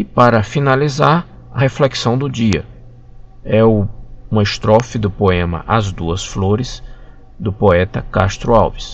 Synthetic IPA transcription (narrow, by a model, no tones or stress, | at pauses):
ɪpaɾɐfinalizaɾ | ɐhefleksɐ̃w̃d̪ʊd͡ʒiɐ̰ | ɛʊũmɐɪst̪ɾɔfɪd̪ʊpoẽmɐ̰ʔazd̪uɐsfloɾɪs | d̪ʊpoɛt̪ɐka̰st̪ɾʊawvis